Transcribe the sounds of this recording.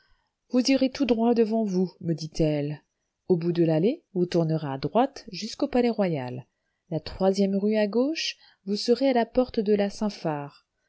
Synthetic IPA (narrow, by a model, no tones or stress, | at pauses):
vuziʁet̪ud̪ʁwad̪əvɑ̃vuməd̪it̪ɛl | obud̪əlalevut̪uʁnəʁaːd̪ʁwat̪ʒyskopalɛʁwaja̰lː | at̪χwazjɛmʁyaɡoʃ | vusəʁealapɔʁt̪d̪əlasɛ̃faːʁ